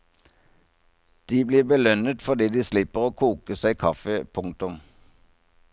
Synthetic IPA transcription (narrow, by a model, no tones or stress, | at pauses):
d̪̥iːbliːbəlœnət̪fɔd̪iːd̪iːslɪpəʁoːkʰuːkəsæɪkʰɑfəpʰʊŋ̚t̪ʊm